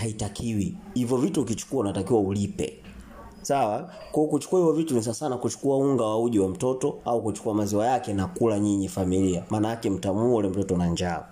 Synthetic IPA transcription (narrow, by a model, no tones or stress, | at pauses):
haitakʰiwihivjɔvituːk̬it͡ʃu̥kuaunatakiwaulipɛ̰ | sawakwɔɔkut͡ʃu̥kuahivɔvitunis̬asanakut͡ʃu̥kuauŋɡawauʄiwam̩tɔtɔaukut͡ʃu̥kuamaziwajakɛnakulaɲiɲifamiliamaːnajakɛm̩tamuɔlɛm̩tɔtɔnaɲd͡ʒa